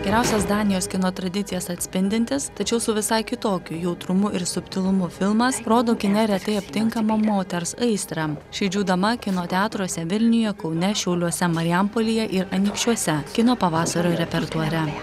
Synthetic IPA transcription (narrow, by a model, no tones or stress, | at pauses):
ɡʲɛɾʲæˑʊsʲɛsd̪ɑːnʲɪjoːskʲɪnoːt̪ɾɐd̪ʲɪt̪sʲɪjɛsɐt̪ʲsʲpʲɪnʲd̪ʲɪnʲt̪ʲɪst̪ɐt͡ʃʲɛʊsʊʋʲɪsɐɪkʲɪt̪oːkʲʊjɛʊt̪ɾʊmʊʔɪɾsʊpʲt̪ʲɪlˠʊmʊfʲɪlˠmɐsɾoːd̪oːkʲɪnʲɛɾʲɛt̪ɐɪɐpʲt̪ʲɪŋkɐmɐmoːt̪ʲɛɾsɐɪst̪ɾɑʃʲɛɪd͡ʒʲuːd̪ɐmɐkʲɪnoːt̪ʲɛɑːt̪ɾuɔsʲɛʋʲɪlʲnʲʊjɛkɒʊnʲɛʃʲɛʊlʲuɔsʲɛmɐɾʲɪɐmpoːlʲɪjɛʔɪɾɐnʲiːkʃʲt͡ʃʲuɔsʲɛkʲɪnoːpɐʋɑːsɐɾʲoːɾʲɛpʲɛɾt̪ɔɾʲɛ